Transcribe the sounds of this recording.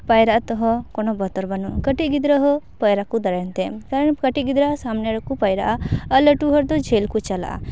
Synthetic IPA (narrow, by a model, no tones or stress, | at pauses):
pajɾaʔat̪ɔɦɔ̃kɔnɔbɔt̪ɔɾbanɔkəʈiɡid̪ɾaɦɔpajɾakud̪ɔɾajnt̪ɛmkaɾəɳkəʈiɡid̪ɾasamnɛɽɔkupajɾa̰ʔaələʈuɦɔɾd̪ɔd͡ʒʱelkut͡ʃala̰ʔa̰